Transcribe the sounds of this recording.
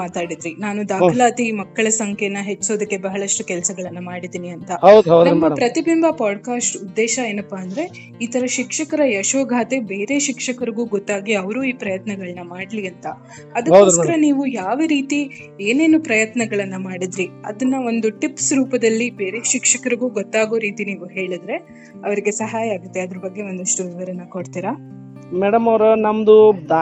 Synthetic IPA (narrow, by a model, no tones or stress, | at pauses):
maːt̪aːɽid̪ɾinaːnud̪aːkʰɐlaːt̪imɐkːɐɭɐsɐŋkʰɛnːɐɦe̞t͡ʃːso̞ːd̪ɐkːe̞bɐɦɐɭɐʂʈukɛlɐsɐɡɐɭɐnːɐmaːɽid̪iːniɐnt̪ɐɦɐwɐnɐmːɐpɾɐt̪ibimbʱɐpaːɖkaːsʈud̪ːɛːʃɐe̞ːnɐpːaːnd̪ɐɾe̞ | iːt̪ʰɐɾɐʃikʂɐkɐɾɐjɐʃʋɐɡʱaːt̪e̞be̞ːɾe̞ʃikʂɐkɐɾiɡuːɡot̪ːaːɡiɐʋɐɾuːiːpɾɐjɐt̪nɐɡɐɭɐnːɐmaːɽliɐnt̪ɐ | ɐd̪ɐɐwoːskɐɾɐniːʋujaːʋɐɾiːt̪i | e̞ːne̞ːnupɾɐjɐt̪nɐɡɐɭɐnːɐmaːɽid̪ɾiɐ̰d̪ɐnːɐo̞nd̪uʈipsɾuːpɐd̪ɐlːibe̞ːɾeːʃikʂɐkɐɾiɡuːɡot̪ːaːɡoːɾiːt̪iniːʋuɦe̞ːɭid̪ɾe̞ | ɐʋɐɾiɡe̞sɐɦaːjɐaːɡut̪ːeɐd̪ɐɾɐbɐɡːe̞o̞nd̪ɐʂʈuʋiʋɐɾɐnɐko̞ɽt̪iːɾa | mɛɽɐmɐwɾɐnɐmd̪ud̪a